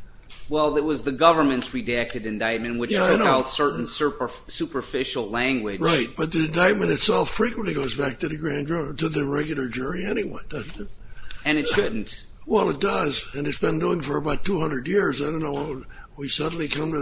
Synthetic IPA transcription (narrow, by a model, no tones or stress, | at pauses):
wɛlˠɪt̚wʌzðɨɡʌvə˞mɨ̃ntsɹidæk̚tɨɾɨ̃ndaɪt̚mɨ̃nwɨt͡ʃjæaɪdõaʊtsɜ˞ʔn̩sɜpə˞ | sʉpə˞fɪʃl̩ˠlæ̃ŋɡwɪdɹaɪt̚b̥ʌt̪̚ðiɨ̃ndaɪt̚mɨ̃ñɨtsɛlˠfɹikw̃nʔliɡoʊzbæk̚tɨðɨɡɹæ̃ndɹotʰɨðɨɹɛɡjl̩ˠə˞d͡ʒʊɹiɛñiwʌ̰̃nd̥ʌzɨt̚ɨ̃nɨtʃʊdⁿn̩t | wɛlˠɨt̚d̥ʌzɨ̃nɨsb̥ɨ̃nduɪ̃ŋfə˞ɨbaʊtʰuhʌ̃ndɹɨdjɪɹzaɪdɾõʊ̃nːoʊwa | wisʌdⁿn̩likʰʌ̃mtɨ